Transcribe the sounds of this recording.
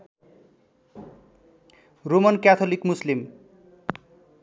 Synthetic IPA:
ɾumʌnkat̪ʰolikmuslim

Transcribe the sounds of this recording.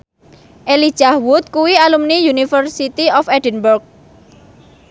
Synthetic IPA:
ʔeli̥ʒ̥ahwʊt̪̚kuwialumnijunifərsit̪iɔfɛdənburk̚

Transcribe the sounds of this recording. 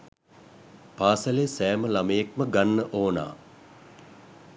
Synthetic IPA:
paːsəlesæːməlaməjekməɡanːəʔoːna̰ː

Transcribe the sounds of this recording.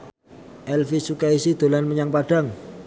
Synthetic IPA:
ʔɛlfisukaisid̪̥o̤lanməɲaŋpad̥aŋ

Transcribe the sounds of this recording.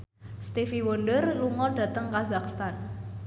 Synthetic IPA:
st̪ifiwonɖərluŋɔɖ̥ä̤t̪əŋkazakst̪an

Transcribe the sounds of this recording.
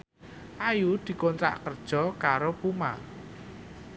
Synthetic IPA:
ʔajud̪̥i̤kont̪ɾa̰ʔkərd̥ʒ̥ɔ̤kaɾopuma̰

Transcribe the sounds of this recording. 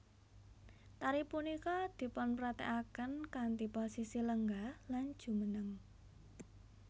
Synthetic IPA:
t̪aɾipunikɔd̪̥i̤pɔnpɾat̪ɛ̰ʔakənkant̪ipɔsisiləŋɡahland̥ʒ̥ṳmənəŋ

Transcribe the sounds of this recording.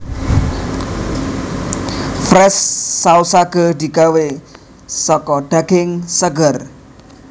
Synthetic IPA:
fɾɛsːausaɡ̥ə̤d̪i̤ɡ̥awe | sɔkɔɖ̪̥aɡ̥ɪŋsəɡər

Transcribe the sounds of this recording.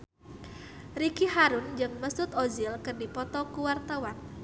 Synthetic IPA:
rikiɦaɾʊnd͡ʒɨŋməsʊt̪ozɪlkɨrdipɔt̪ɔkuwart̪awan

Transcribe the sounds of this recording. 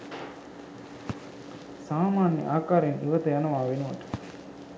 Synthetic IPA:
saːmaːnjɐ̰ʔaːkaːɾɪnɪʋɐt̪ɐjaːnɐʋaːʋinuʋɐ̰ʈː

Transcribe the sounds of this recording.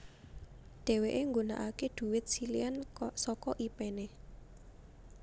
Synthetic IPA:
ɖ̪̥ɛ̤weʔeŋɡona̰ʔakeɖ̪̥ṳwɪt̪̚siliansɔkɔʔipene

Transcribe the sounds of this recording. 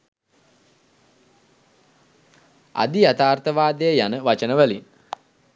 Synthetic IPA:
a̰d̪iat̪aːrt̪əʋaːd̪əjəjanəʋat͡ʃənəʋælin

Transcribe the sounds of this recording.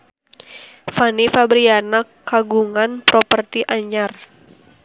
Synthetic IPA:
fanifabɾianakːaɡuŋanpɾɔpərt̪iʔaɲar

